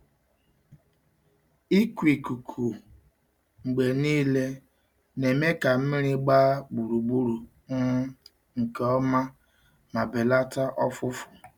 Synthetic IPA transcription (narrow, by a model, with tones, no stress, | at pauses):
i˦kʷi˨ku˨kʰu˨ | ŋ͡m̩˨ɡ͡be˨niː˦le˦ | ne˨me˦ka˨m̩˦mɪ˦ɾɪ˦ɡ͡ba˦ɡ͡bu˨ɾu˨ɡ͡bu˦ɾu˨ | m̩˦m̩˦ | ŋ̩˨ke˨ɔ˦ma˦ | ma˨be˨la˦ta˦ʔɔ˦fʊ˦fʊ˨